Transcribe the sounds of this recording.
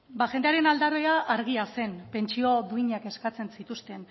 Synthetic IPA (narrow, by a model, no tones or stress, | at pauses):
baʝe̞nd̪eaɾe̞nald̪aroaʔaɾɣ̞iase̞npe̞nt͡ʃio̞ðuiɲake̞skat͡se̞nsit̪ust̪e̞n